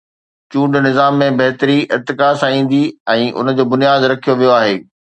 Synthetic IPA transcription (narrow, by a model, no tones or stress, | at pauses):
t͡ɕũːɳɖnɪzaːmːẽbɐɦt̪əɾiʔɪt̪ɪkasãĩːn̆d̪iɛ̃ːʔʊ̰nəd͡ʑoːbʊnijaːd̪ɾɐkʰijoʋijoaːɦeː